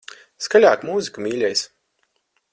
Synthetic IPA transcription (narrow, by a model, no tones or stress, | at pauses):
skalʲaːkmuːzikumʲiːlʲɛjs